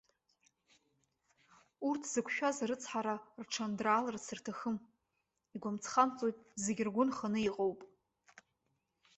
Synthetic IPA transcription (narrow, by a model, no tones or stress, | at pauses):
urtʰz̥ɨkʷʰʃᶣazaɾɨt͡sʰħaɾarʈ͡ʂʰandraːlɨrt͡sʰɨrtʰaxɨm | iɡʷamt͡sʰχant͡sʼojtʼzeɡʲrɡʷʊnχanɨiqʼowpʼ